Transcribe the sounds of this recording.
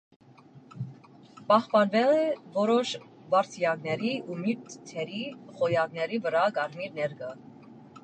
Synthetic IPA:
pɑχpɑnvɛlɛvɔɾɔʃvɑɾt̪ʰijɑknɛɾiumiɾt̪t̪ʰɛɾiχɔjɑɡnɛɾivəɾɑkɑɾmiɾnɛɾɡə

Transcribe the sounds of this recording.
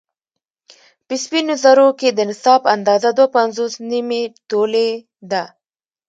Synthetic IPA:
pɪspinʊzaɾoked̪ənɪsɑband̪ɑzad̪wapanzosnimeʈole | d̪a

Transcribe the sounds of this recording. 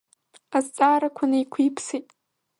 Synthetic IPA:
azt͡sʼaːɾakʷʰanajkʷʰiːpʰsitʼ

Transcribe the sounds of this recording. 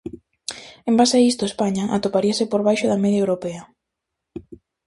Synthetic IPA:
embasaist̪oespaɲaʔat̪opaɾiasepoɾβ̞ajʃʊðɐmeðjaewɾopeɐ

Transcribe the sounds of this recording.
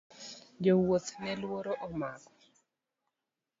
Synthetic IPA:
d͡ʒowot̪nɛlwoɾoʔɔmaɡɔ̥

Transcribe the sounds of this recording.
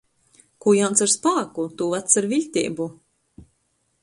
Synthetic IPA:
kujant̪saɾspaːkut̪uvat̪saɾviʎʲt̪ʲḭːbu

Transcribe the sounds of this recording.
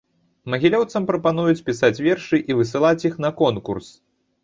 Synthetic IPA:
mɐɣʲilʲɔwt̪sɐmpɾɐpanujut͡sʲpʲisat͡sʲvʲɛrʂɨʔivɨs̬ɨlˠat͡sʲjixnɐkɔnkurs

